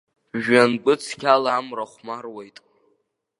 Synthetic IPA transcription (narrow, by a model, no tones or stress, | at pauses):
ʒᶣanɡʷʼɨt͡sʰkʲʰalaːmraχʷmarwejtʼ